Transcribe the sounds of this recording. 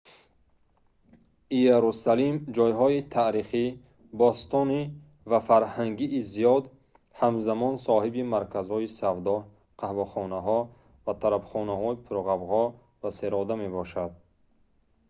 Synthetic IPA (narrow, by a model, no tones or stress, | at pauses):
ijaɾusalimd͡ʒɔjɦɔit̪ʰaɾiχi | bɔst̪ɔni | vafaɾhaŋɡiʔːzijɔd̪ | hamzamɔnsɔhibimaɾkʰazhɔisavd̪ɔh | qʰahvɔχɔnaɦɔ | vat̪ʰaɾabχɔnaɦɔipʰɾɔʁabʁɔ | vaseɾɔd̪ame̞bɔʃad̪̚